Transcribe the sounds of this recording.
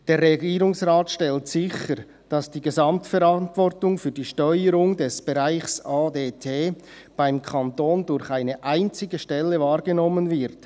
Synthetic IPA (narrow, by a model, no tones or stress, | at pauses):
d̥eːɾːeɡiːɾʊŋsʁaːtʃtɛltsɪçəɾ | d̥ɑsd̥iːɡezɑmtfɛɾɑntvɔrtʊŋfyːɐdiːʃtɔʏəɾʊŋdɛsb̥eʁaɪxsaːdeːtʰeː | b̥aɪmkʰantoːndʊɾçaɪnəʔaɪnt͡sɪɡəʃtɛlːəvaːɾɡənɔmːənvɪʁt